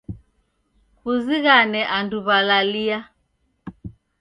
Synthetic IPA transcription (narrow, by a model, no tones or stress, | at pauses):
kuziɣanɛʔanduβalalia